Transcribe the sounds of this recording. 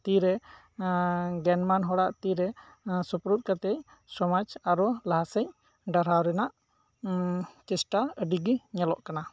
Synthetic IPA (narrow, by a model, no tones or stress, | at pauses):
t̪iɾɛ | ɡɛnmanɦɔɽaʔt̪iɾɛ | supɾut̪̚ˀkat̪ɛc | sɔmad͡ʒaɾɔlaɦasəɲ | ɖaɾawɾɛnaʔ | t͡ʃɛsʈaəɖiɡiɲɛlɔ̰ʔkana